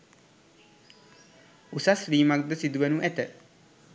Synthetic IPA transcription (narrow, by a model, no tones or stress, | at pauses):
usasriːmak̚d̪əsid̪uʋənuʔɛt̪ə